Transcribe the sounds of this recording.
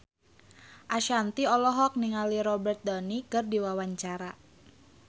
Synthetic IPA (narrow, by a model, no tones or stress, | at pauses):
ʔaʃant̪iɔlɔɦɔk̚niŋaliɾɔbɛrt̪̚dɔnikərdiwawaɲt͡ʃaɾa